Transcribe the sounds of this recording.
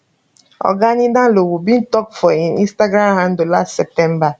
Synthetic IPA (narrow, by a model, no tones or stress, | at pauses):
ɔ̰ɡaɲidãlowubin̩tɔkfɔinḭ̃nstaɡɾamɦãn̩dolastsɛp̚tɛm̩ba